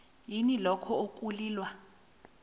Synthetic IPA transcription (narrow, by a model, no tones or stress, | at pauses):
jinilɔkʰɔokʼuliːlwa